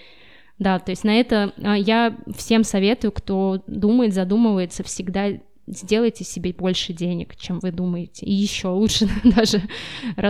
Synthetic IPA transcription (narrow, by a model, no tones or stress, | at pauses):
d̪at̪o̞ɪsʲtʲnɐɛt̪əajafsʲe̞msɐvʲe̞t̪ʊjʊkt̪o̞d̪uməjɪt̪zɐd̪uməvəjɪt̪səfsʲɪɡd̪a | zʲdʲe̞lˠəjtʲɪsʲɪbʲebo̞lʲʂɨdʲenʲɪkt͡ɕe̞mvɨd̪uməjɪtʲɪɪjɪɕːo̞lˠutʂɨd̪aʐɨrɐ